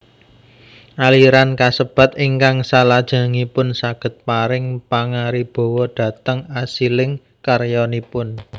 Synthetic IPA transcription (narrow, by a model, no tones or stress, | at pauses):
ʔaliɾankasəb̥ä̤t̪iŋkaŋsalad̥ʒ̥a̤ŋipʊnsaɡ̥ə̤t̪̚paɾɪŋpaŋaɾib̥o̤wɔɖ̥ä̤t̪əŋasilɪŋ | karjɔnipʊn